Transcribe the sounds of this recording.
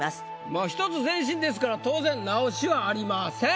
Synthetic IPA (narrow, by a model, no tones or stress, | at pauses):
maːçi̥t̪ot͡sɨzẽ̞ɕ̬ĩnd̪e̞s̬ɨ̥kaɾat̪o̞ːzẽ̞nnaoɕiβaːɾʲimasẽ